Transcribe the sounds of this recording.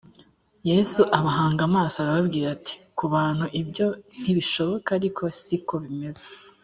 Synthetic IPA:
jeːsuʔaβaɦaːŋɡamaːsoaɾaβabɡiːɾati̥kuβaːn̥huʔibjo̞n̥iβiʃo̞βo̞kaːɾikʰo̞siko̞βime̞ze̥

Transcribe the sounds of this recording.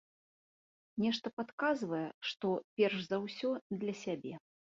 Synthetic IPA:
nʲɛʂt̪ɐpat̪kazvɐjɛʂt̪ɔpʲɛrʂzawsʲɔd̪lʲɐsʲabʲɛ

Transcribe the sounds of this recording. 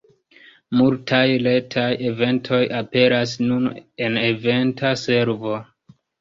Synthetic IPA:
multʰajle̞tʰaje̞ve̞ntʰo̞jape̞ɾas̬nune̞ne̞ve̞ntase̞ɾvo̞

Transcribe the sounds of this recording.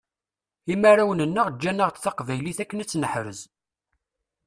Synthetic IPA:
imaɾawənənːəʁd͡ʒːænəʁt̪θɑqvæjliθækːənæt͡sːnəħɾəz

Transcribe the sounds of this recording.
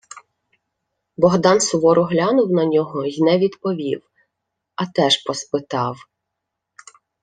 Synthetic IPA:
bɔɦd̪ɑnsʊʋɔɾʊɦlʲɑnʊwnɐnʲɔɦɔjnɛʋʲid̪pɔʋʲḭw | ɐt̪ɛʃpɔspɪt̪ɑw

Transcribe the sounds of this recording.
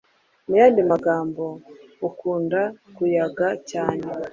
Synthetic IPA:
mujaːndimaɡaːmbo̞ukuːndakujaɡacaːne

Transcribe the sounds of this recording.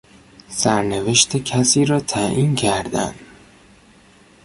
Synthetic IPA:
sæɾneveʃt̪ʰekʰæsiːɾɒːt̪ʰæʔiːnkʰæɾd̪æ̰nd̪

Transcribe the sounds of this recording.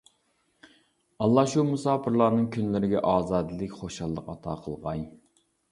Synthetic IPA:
ɑlˠːɑʃumusɑːpʰɨɾlˠɑːnɨŋkʲʰynlɪɾɪɡʲɛʔɑːzɑːd̪ɨlˠɪkʲχoʃɑlˠːəqɑt̪ʰɑ̰ːqʰəlˠʁɑj

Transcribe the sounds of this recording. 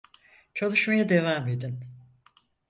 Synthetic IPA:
t͡ʃʰalˠɯʃmajad̪evaːmed̪in

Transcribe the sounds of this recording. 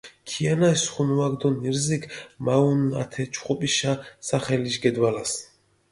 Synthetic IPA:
kʰianaisχunuaɡd̪ɔniɾzikʰmauna̰t̪ʰɛt͡ʃʰχʼɔpʼiʃasaχɛliʃɡɛd̪walas

